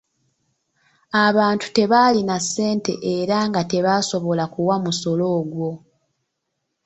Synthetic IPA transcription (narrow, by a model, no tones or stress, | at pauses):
aβaːntu̥te̞βalinasːe̞ːnte̞̰ʔeɾaŋɡate̞βaːso̞βo̞lakuwamuso̞lo̞ːɡwo̞